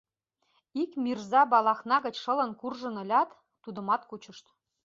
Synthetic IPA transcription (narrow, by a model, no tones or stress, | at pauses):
ikmʲirzɑbɑlˠɑxnɑɣə̆t͡ɕʃɤ̆lɤ̆nkurʒɤ̆nɤ̆lʲɑt̪ː | ud̪ɤ̆mɑt̪kut͡ɕɤ̆ʃt̪